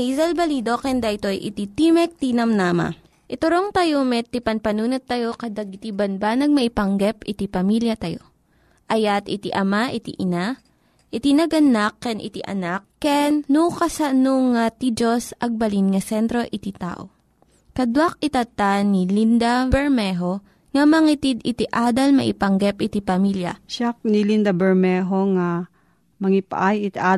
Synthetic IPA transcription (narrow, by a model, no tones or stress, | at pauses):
izɐlbɐliːd̪okɛnd̪ɐʔɪt̪o̞ʔjʔɪ̰t̪it̪imɛk̚t̪inɐmnaːma̰ | ʔɪt̪ʊɾoŋt̪ɐjomɛt̪ipɐnpɐnuːnot̪ːɐjo̞kɐd̪aɡɪt̪ibɐnbanɐɡ̚mɐʔɪpɐŋɡɛpɪt̪ipɐmiljɐt̪ɐjo̞̰ | ʔɐjat̪ɪt̪iʔɐmaʔɪt̪ḭʔɪna | ʔɪt̪inɐɡɐnakːɛnʔɪ̰t̪iʔɐ̰nakːɛnːukɐsanoŋat̪id͡ʒosɐɡ̚bɐlinŋɐsɛnt̪ɾo̞ʔɪt̪it̪a̰ːʔo | kɐd̪wak̚ɪt̪ɐt̪anilind̪abɛɹmɛɦo̞ | ŋɐmɐŋit̪id̪ɪt̪iʔaːd̪ɐlmɐ̰ʔipɐŋɡɛpʔɪt̪ipɐmiljɐ̰ʃak̚nilind̪abɛɹmɛɦoŋa | mɐŋipa̰ʔajɪt̪ʔa